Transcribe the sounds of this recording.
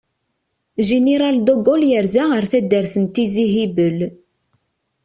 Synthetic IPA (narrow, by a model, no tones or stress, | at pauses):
ʒineɾˤɑld̪oɡoljəɾzaəɾθæd̪ːəɾθənt̪iziɦibəl